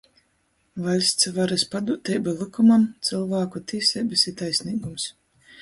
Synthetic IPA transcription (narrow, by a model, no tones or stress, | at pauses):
valʲsʲt̪svaɾɨspad̪ut̪ɛjbalˠɨkumamt̪sɨlˠvaːkut̪iːsʲɛbɨsit̪ajsʲniːɡums